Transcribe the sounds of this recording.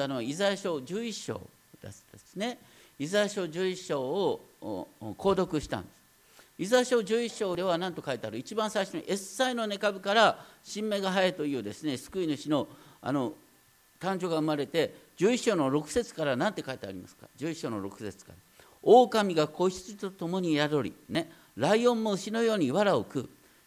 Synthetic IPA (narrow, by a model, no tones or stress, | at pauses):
anoizaɕo̞ːd͡ʑɨːiɕːo̰ː | d̥̪ed̪̥esɨne̞ | izajaɕo̞ːd͡ʑɨːiɕːo̞ː | kʰo̞ːd̪o̞kɯ̟ɕi̥t̪ã̰nd̪es | izaeɕo̞ːd͡ʑɨːiɕːo̞ːd̪e̞β̞anãnt̪o̞kait̪eaɾɯ̟it͡ɕibãɰ̃saiɕonoʔessaino̞ne̞kabɯ̟kaɾaɕĩmːe̞ɡaɦajet̪o̞jɯːd̪e̞sɨne̞sɨ̥kɯ̟inɯ̟ɕino̞a̰no̞ | t̪ãɲ̟d͡ʑo̞ːɡaɯ̟maɾe̞t̪e̞d͡ʑɨːiɕːo̞ːno̞ɾo̞kɯ̟̥se̞t͡sɨ̥kaɾanãnt̪e̞kait̪ea̰ɾʲima̰sɨ̥ka̰d͡ʑɨːiɕːo̞ːno̞̰ɾo̞kɯ̟̥se̞t͡sɨ̥ka̰ɾa | oːkamʲiɡako̞iɕt͡sɨt̪o̞t̪o̞mo̞ɲ̟ijaɾo̞ɾʲḭne̞ | ɾaiõ̞mːo̞ɯ̟ɕino̞jo̞ːɲ̟iβaɾaokɯ̟